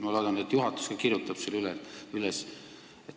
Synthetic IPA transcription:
mɑolod̪ɑnud̪et̪ːjuɦɑt̪ːˑu̥skɑkirjut̪ːˑɑb̥selylɛyles | et̪

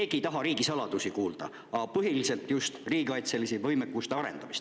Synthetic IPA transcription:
eːɡ̥ijt̪ɑɦɑɾiːɡ̥isɑlɑd̪̥usikuːld̪̥ɑ̰ | ɑpɤɦilise̞lt̪ˑjust̪riːɡikɑjt̪se̞lisivɤ̞jmekːust̪e̞ɑɾe̞̰nd̪ɑmist̪

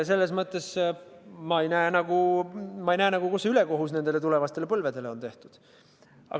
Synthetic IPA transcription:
se̞lːe̞smɤt̪ːˑe̞s | mɑejnæenɑɡ̥umɑejnæːnɑɡ̥ukusːeyle̞ko̞ɦusne̞nd̪̥e̞le̞t̪ule̞vɑst̪e̞le̞pɤlve̞d̪e̞leont̪e̞ht̪ud̪̥ | ɑ̰

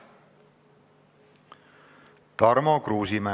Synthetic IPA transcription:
t̪ɑɾmokɾuːsimæ

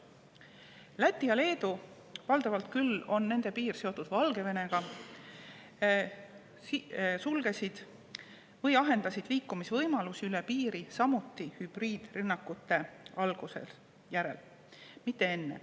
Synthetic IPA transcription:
læt̪ːˑiɑle̞ːd̪̥u | vɑld̪̥ɑvɑlt̪̚kylo̞nːe̞nd̪̥e̞piːrse̞o̞t̪ːˑud̪̥vɑlɡ̥e̞ve̞ne̞ɡ̥ɑ | sulɡ̥e̞sid̪̥ | vɤjɑɦe̞nd̪̥ɑsid̪̥liːkːˑumisvɤjmɑlusiylɛpiːɾisɑmut̪ːˑihyb̥riːd̪̥rynːɑkːˑut̪ːˑe̞ɑlɡ̥usḛl | jæɾe̞̰l | mit̪ˑːe̞e̞nːḛ

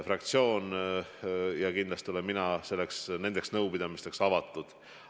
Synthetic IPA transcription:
frɑk̚t̪sio̞ːn | jɑkind̪lɑst̪io̞lenminɑse̞lːeksne̞nd̪e̞ksnɤwpid̪ɑmist̪e̞ksɑvɑt̪ːˑud̪̥

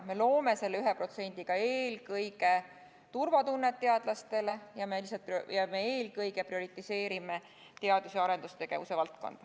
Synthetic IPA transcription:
me̞lo̞ːme̞se̞lːeyɦepro̞t̪se̞nʲd̪̥iɡ̥ɑe̞ːlkɤjɡe̞ | t̪urvɑt̪unːet̪ːe̞ɑd̪̥lɑst̪e̞le̞jɑme̞lisɑlt̪pjɑme̞e̞ːlkɤjɡe̞prio̞ɾit̪ːˑise̞ːɾime̞ | t̪e̞ɑd̪̥useɑɾe̞nd̪ust̪e̞ɡ̥e̞vuse̞vɑlt̪̚ko̞̰nd̪̥

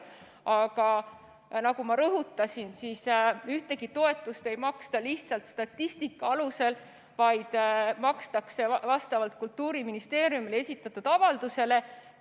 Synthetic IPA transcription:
ɑɡ̥ɑ | nɑɡ̥umɑɾɤɦut̪ːˑɑsinsisyht̪e̞ɡit̪o̞e̞t̪ːˑust̪e̞jmɑkst̪ɑliht̪sɑlt̪st̪ɑt̪ːist̪ikːˑɑɑluse̞l | vɑjd̪̥mɑkst̪ɑkse̞vɑst̪ɑvɑlt̪̚kult̪ːuːɾiminist̪e̞ːɾjumilee̞sʲit̪ːˑɑt̪ːud̪̥ɑvɑld̪̥use̞le̞

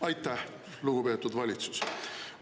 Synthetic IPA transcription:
ɑjt̪ːˑæh | luɡ̥upe̞ːt̪ːˑud̪vɑlʲit̪su̥s

